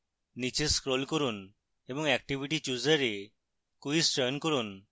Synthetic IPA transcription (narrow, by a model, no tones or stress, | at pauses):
nit͡ʃeskɾolkɔɾun | ebɔŋɛkʈibʱiʈit͡ʃuzəɾe | kuisʈɔjnkɔɾun